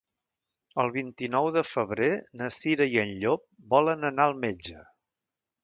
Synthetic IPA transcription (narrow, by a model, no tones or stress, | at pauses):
əlˠβ̞int̪inɔwðəfəβɾenəsiɾəiənʎop̚bɔlənənaəlˠmed͡ʒə